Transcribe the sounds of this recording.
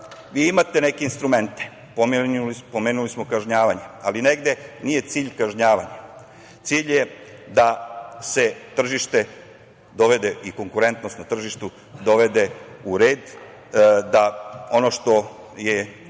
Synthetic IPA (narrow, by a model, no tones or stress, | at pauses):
ʋiːimat̪e̞ne̞keinst̪ɾume̞nt̪e̥ | popo̞meːnulismo̞kaʒɲaːʋaɲealine̞ɡd̪e̞nije̞t̪siːʎkaʒɲaːʋaɲa | t̪siːʎjed̪ase̞t̪r̩ʒiʃt̪e̞ | d̪o̞ʋed̪e̞ʔiko̞ŋkuɾe̞nt̪nost̪nat̪r̩ʒiʃt̪u | d̪o̞ʋe̞d̪e̞uɾe̞ːd̪ | d̪ao̞no̞ʃt̪o̞ | je